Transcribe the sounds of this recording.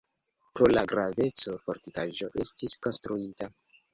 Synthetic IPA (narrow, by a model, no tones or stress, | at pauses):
pɾo̞laɡɾave̞t͡soɾfoɾtikaʒo̞ʔe̞stisko̞nstɾuita